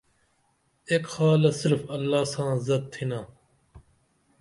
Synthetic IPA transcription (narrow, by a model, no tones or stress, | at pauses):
eːkxaːlɐsɪɾfɐlːaːsãːzɐd̪̚t̪ʰinaː